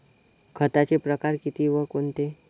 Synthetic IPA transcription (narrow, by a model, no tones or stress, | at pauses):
kʰət̪at͡ɕepɾəkaɾkit̪iːʋəkont̪e